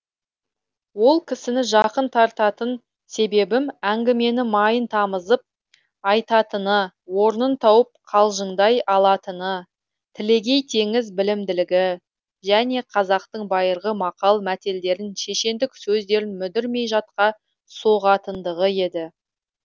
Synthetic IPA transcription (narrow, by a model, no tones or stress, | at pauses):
wo̞lˠkʲʰɪsɪnɪʒɑqənt̪ʰɑɾt̪ɑt̪ən | se̞be̞bɪmæŋɡʲɪme̞nɪmɑjənt̪ʰɑməzəp̚ | ɑjt̪ɑt̪ənə | wo̞ɾnənt̪ʰɑwəp̚qʰɑlˠʒəɴd̪ɑjɑlˠɑt̪ənə | t̪ʰɪle̞ɡʲe̞jt̪ʰe̞ŋɪzbɪlɪmd̪ɪlɪɡʲɪ | ʒæne̞qʰɑzɑq̚t̪əɴbɑjəɾʁəmɑqɑlˠmæt̪e̞ld̪e̞ɾɪnʃe̞ʃe̞nd̪ɪksɵzd̪e̞ɾɪnmʏd̪ɪɾme̞jʒɑt̪̚qɑ | so̞ʁɑt̪ənd̪əʁəe̞d̪ɪ